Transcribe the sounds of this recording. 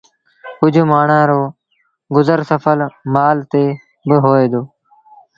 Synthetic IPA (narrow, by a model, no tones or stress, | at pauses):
kʊd͡ʒʱmaːɳãːɾoː | ɡʊzəɾsəfʰəlmaːlt̪eː | bəɦoːeːd̪oː